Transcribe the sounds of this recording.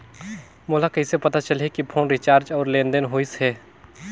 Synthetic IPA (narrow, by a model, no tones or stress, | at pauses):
moːlakɐɪsepɐt̪at͡ʃəlɦekipʰoːnɾɪt͡ʃaːɾd͡ʒɔːɾlẽːnd̪ənɦoːisɦɛː